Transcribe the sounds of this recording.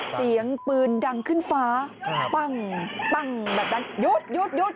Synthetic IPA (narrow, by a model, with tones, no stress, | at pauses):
si˨˦əŋpɨː˨˩nɗa˨˩ŋkʰɨ˧nfaː˧˦k͡pa˧˩ŋk͡pa˧˩ŋɓaː˨˩t̪a˧˩nzo˦˥t̚zo˦˥t̪̚zo˦˥t̚